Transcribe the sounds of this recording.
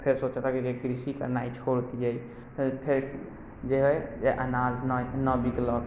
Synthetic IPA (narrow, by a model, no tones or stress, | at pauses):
pʰeɾsot͡ʃt̪akid͡ʒeɡɾisikə̰ɾnait͡ʃʰoɾot̪id͡ʒaj̪ | pʰeɾ | d͡ʒeɦəd͡ʒeʔanad͡ʒnnəbiɡlɔk